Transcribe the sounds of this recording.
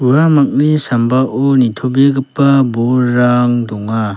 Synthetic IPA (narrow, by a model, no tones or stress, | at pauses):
uamak̚nisambaʔɔnitʰɔbeɡɯpːabɔɾaŋdɔŋa